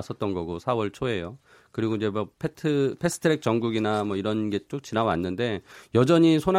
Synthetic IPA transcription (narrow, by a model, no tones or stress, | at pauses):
s͈ʰʌt̚t͈ʌnɡʌɡosʰawʌɭt͡ɕʰoe̞jo | kɯɾiɡoid͡ʑe̞mʌpʰetʰɯpʰesʰɯ̥tʰɯɾek̚t͡ɕ͈ʌŋɡuɡinamwʌiɾʌnɡe̞t͡ɕ͈ok̚t͡ɕinawanːɯnde̞jʌd͡ʑʌɲisʰon